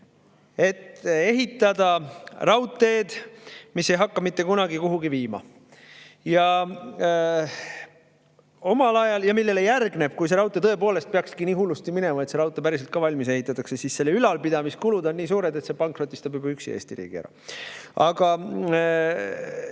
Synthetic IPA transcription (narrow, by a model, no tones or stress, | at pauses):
e̞t̪ːe̞ɦit̪ːˑɑd̪̥ɑrɑwt̪ːˑe̞ːd̪̥misːe̞jɦɑkːɑmit̪ːe̞kunɑɡikuɦuɡiviːmɑ̰ | jɑ | o̞mɑlɑjɑljɑmilːe̞lejærɡne̞b̥̚kujs̬e̞ɾɑwt̪ːˑet̪ɤ̞e̞po̞ːle̞st̪̚peɑkskiniːhuːlːust̪imine̞mɑet̪se̞ɾɑwt̪ːˑepæɾis̬elt̪kɑvɑlʲmise̞hit̪ːˑɑt̪ːˑɑkse̞sisse̞lːeylɑlpid̪ɑmiskulud̪̥o̞nːiːsuːɾed̪e̞t̪se̞pɑŋkro̞t̪ʲːˑist̪ɑbjubɑyksiḛːst̪iɾḭːɡ̥ḭḛɾɑ̰ɑɡ̥ɑ